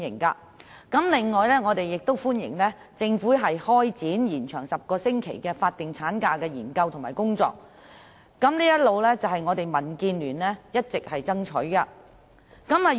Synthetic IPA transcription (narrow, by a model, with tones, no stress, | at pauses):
ɪ˨˩ŋkɐ̰˧ | kɐ˨˥mlɪ˨ŋːɔː˨jlɛː˥ŋɔː˨˧t̪e˨jːɪ˨k̚t̪o˥wfuː˥njɪ̰˨˩ŋlɛː˥ | t͡sɪ˧ŋfuː˨˥ɦɐ˨jhɔː˥jt͡siː˨˥njiː˨˩nt͡ʃʰœː˨˩ŋsɐ˨p̚kɔː˧sɪ˥ŋkʰḛ˨˩jkɛː˧faː˧t̚t̪ɪ˨ŋt͡sʰaː˨˥nkaː˧kɛː˧jiː˨˩nkɐ˧wt̪ʰʊ˨ŋmaː˨˩jkʊ˥ŋt͡sɔ̰ː˧k̚ː | ɐ˨˥mliː˥jɐ˥t̚lo˨˧wlɛː˥t͡sɐ˨˩wɦɐ˨jŋɔː˨˧t̪e˨jmɐ˨˩nkiː˧nlyː˨˩nlɛː˥jɐ˥t̚t͡sɪ˨k̚hɐ˨jt͡sɐ˥ŋt͡ʃʰɵ̰˨˥kɐ˧ | kɐ˨˥mːɐ˨˩